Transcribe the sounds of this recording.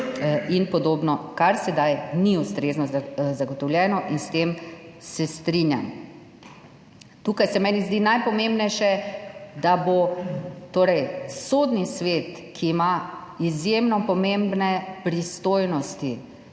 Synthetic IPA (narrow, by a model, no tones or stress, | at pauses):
inpɔd̪oːbnɔkaɾsɛd̪ajniust̪ɾeːznɔzzaɡɔt̪ɔwljɛːnɔʔinst̪emsɛst̪ɾinja̰m | t̪uːkajsɛmɛːnizd̪iːnajpɔmembnɛjʃɛd̪abot̪oːɾɛjsoːd̪nisʋeːt̪ | kʰiːmaizjemnɔpɔmẽmbnɛpɾist̪oːjnɔst̪i